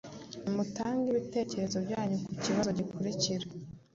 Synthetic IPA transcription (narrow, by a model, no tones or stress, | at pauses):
nimutaːŋɡiβite̞ːce̞ɾe̞zo̞bɟaːɲukuciβazo̞ɟikoɾiciɾa